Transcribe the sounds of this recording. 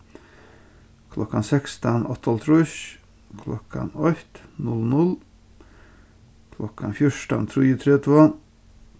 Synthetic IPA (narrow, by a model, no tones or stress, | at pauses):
kʰlɔkːansɛkst̪anɔt̪ʰːalt̪ʰɾʊʃ | kʰlɔ̰kʰa̰nɔt̪nʊlnʊl | kʰlɔkʰːanfjʊʂʈa̰nt̪ʰɾʏːət̪ʰɾeːt̪ʰuan